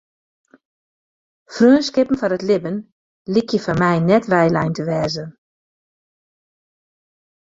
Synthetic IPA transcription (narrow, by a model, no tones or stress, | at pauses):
frøːənskɪpn̩fɔnətlɪbən | likʰjəfɔnmɛjnɛtʋɛjlɛjntʰəʋɛːzə